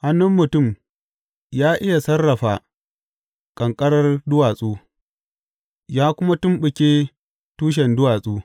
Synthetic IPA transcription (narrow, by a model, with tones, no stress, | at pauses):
ha˦nːʊ˦mːʊ˨tʊ˦˨m | jaː˦ʔɪ˦ja˨sɐ˦rːɐ˨ɸaː˨ | kʼɐ˨ŋkʼɐ˦ɽɐ˦rdʊ˦waː˨sʼuː˦ | jaː˦kʷʊ˦ma˦tʊ˦mɓɪ˨kʲeː˦ | tuː˦ʃ̬ɛ˨ndʊ˦waː˨sʼuː˦